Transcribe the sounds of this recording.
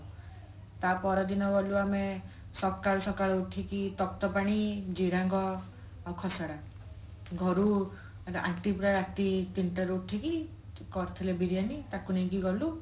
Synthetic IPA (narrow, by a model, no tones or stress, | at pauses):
t̪apɔɾɔd̪inɔɡɔluame | sɔkaɾɔsɔkaɭɔuʈʰikit̪ɔk̚t̪ɔpaɽ̃id͡ʒiɾaŋɡɔ | awkʰɔsaɽa | ɡʱɔɾu | eɾɔʔa̰ʈipɾaɾaʈit̪iɳʈɔɾuʈʰiki | kɔɾt̪ʰilebiɾijanit̪akuneĩkiɡɔlu